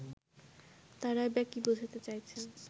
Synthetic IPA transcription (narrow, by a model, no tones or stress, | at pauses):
t̪aɾaebɛkibod͡ʑʱat̪et͡ɕajt͡ɕʰen